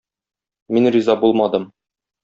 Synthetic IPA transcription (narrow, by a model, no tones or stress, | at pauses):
minrizɑbulˠmɑd̪ɤm